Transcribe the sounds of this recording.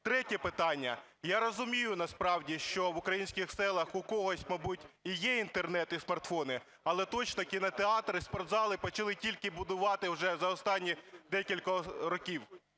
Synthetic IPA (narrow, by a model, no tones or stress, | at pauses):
t̪ɾɛtʲɛpɪt̪ɑnʲːɐ | jaɾɔzʊmʲijʊnɐspɾɑwdʲiʃt͡ʃɔʋʊkɾɐjinʲsʲkʲɪxsɛlˠɐxʊkɔɦɔsʲtʲmɐbutʲijɛint̪ernɛt̪ɪsmɐrt̪fɔnɪ | ɐlˠɛt̪ɔt͡ʃnɔkʲinɐt̪eɑt̪ɾɪspɔɾd̪zɑlˠɪpɔt͡ʃɐlˠɪtʲilʲkɪbʊd̪ʊʋɑt̪ɪwʒɛzɐɔst̪ɑnʲːid̪ɛkʲilʲkɔɾɔkʲiw